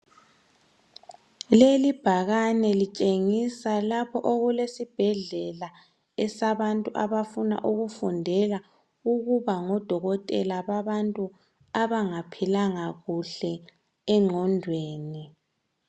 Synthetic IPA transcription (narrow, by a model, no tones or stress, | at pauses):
lelib̥ʱaɣanɛlit͡ʃʼeŋisalapʰɔʔoɣulesib̥ʱɛɮɛla | ɛsaβantʼuʔaβafuna̰ʔuɣufundʱɛla | uɣuβaŋɔd̥ʱɔɣɔtʼɛlaβaβantʼu | aβaŋapʰilaŋaɣuɬɛ | ɛŋ͡ǃʱɔndʱweːni